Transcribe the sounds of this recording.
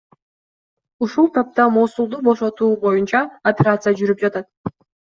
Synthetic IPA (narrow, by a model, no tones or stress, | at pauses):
uʃulˠt̪ʰɑp̚t̪ɑmoːsulˠd̪ubo̞ʃo̞t̪uːbo̞junt͡ʃɑɐpʲeɾat̪sɨjad͡ʒyɾyp̚d͡ʒɑt̪ɑt̪̚